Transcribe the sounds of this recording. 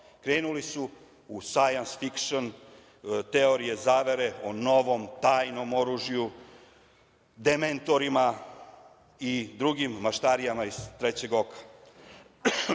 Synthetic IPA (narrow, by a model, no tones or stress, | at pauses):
kɾeːnulisu | usajansfikʃon | t̪eo̞ɾije̞zaːʋe̞ɾe̞ono̞ʋo̞mt̪aːjno̞mo̞ɾuʒiju | d̪ement̪o̞ɾima | id̪ɾuɡimːaʃt̪aɾijamaiz̥t̪ɾet͡ɕe̞ɡo̞kḁ